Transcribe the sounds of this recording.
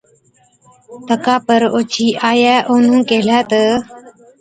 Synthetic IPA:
t̪əkaːpəɾoːt͡ʃʰiːʔaːjaːʔoːnũːkeːlaːt̪ə

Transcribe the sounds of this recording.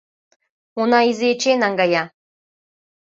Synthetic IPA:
unɑizet͡ɕenɑŋɡɑjɑ

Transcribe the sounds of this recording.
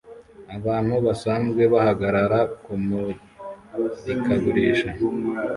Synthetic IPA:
aβaːn̥huβasaːnzɡwe̞βahaɡaɾaɾakumu | ikʰaɡuɾiːʃa

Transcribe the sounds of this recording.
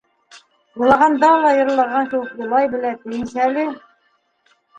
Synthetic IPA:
bɤ̆lˠɑʁɑnd̪ɑlˠɑjɤ̆ɾlˠːɑɾʁɑŋkɘ̆wɘkulˠɑjbɘ̆læt̪ɘ̆jɘ̆nsælɘ

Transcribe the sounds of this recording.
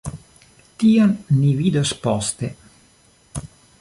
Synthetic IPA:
t̪ionːivid̪ospɔst̪e

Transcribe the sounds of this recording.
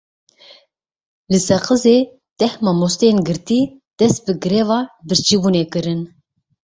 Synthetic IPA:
lɨsɛqɨzeː | d̪̥ɛhmɑːmost̪eenɡɨɾt̪iː | d̪̥ɛst̪̚bɨɡɨɾevɑːbɨɾt͡ʃʰibuːneːkɨɾɨn

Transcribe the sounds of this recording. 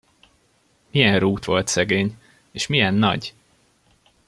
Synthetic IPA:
mijɛnruːt̪ʋo̞lt̪sɛɡeːɲ | eːʃmijɛnːɒ̰ɟ

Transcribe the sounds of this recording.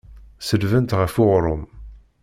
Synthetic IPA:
səlvənt̪ʁəfʊʁɾˤʊm

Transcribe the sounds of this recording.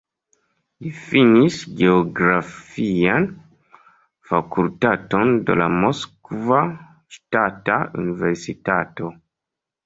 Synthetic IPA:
lifinisɡeoɡɾafian | fakultatondḛlamoskva | ʃtataṵniveɾsitato̞

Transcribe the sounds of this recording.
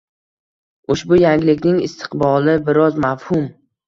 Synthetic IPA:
ʊʃbʊjaŋʲɪlɪkʲnɪŋɪ̰st̪ʰɪ̥qbɒlˠɪbɪɾɒzmafhʊm

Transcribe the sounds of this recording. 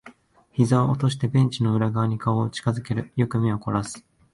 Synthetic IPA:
çizaoʔot̪o̞ɕ̬i̥t̪e̞bẽ̞ɲ̟t͡ɕino̞ɯ̟ɾaɡaβɲ̟ikaoːt͡ɕi̥kazɨke̞ɾɯ̟jo̞kɯ̟mʲioko̞ɾasɨ̥

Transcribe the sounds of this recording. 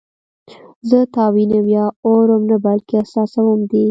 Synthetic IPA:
zət̪ɑwinəmjɑoɾəmnabalkeasɑsawəmd̪i

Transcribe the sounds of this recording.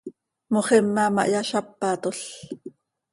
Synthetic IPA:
moχemːɑmɑ̰ʔjɑʃɑpːɑt̪oɬ

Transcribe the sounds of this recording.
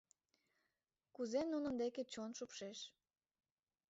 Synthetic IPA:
kuzenunə̆nd̪eket͡ɕonʃupʃeʃ

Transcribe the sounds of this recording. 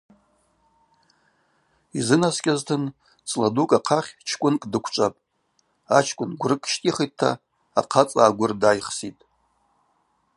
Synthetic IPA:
izɨnaskʲʼaztʰɨn | t͡sʼladukʼaqʰaχʲt͡ʃʰkʷʼʊnkʼdɨkʷʰt͡ʃʷʼapʼ | at͡ʃʰkʷʼʊnɡʷrɨkʼʃtʼiχij̚tʰːa̰ː | qʰat͡sʼaːɡʷʊrdajχsitʼ

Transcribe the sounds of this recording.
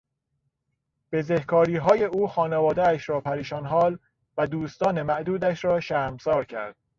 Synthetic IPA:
b̥e̞zehkʰɒːɾiːɦɒːje̞uːxɒːnevɒːd̪eæʃɾɒːpʰæɾiːʃɒːnɦɒːl | væd̪uːst̪ɒːnemæʔd̪uːd̪æʃɾɒːʃæːɾmsɒːɾcʰæ̰ɾd̪̥̚

